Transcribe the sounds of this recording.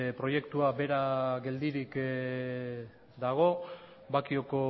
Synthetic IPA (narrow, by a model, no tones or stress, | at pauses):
pɾo̞je̞kt̪uabe̞ɾaɣe̞ld̪iɾik | d̪aɣ̞o̞ | bakio̞ko̞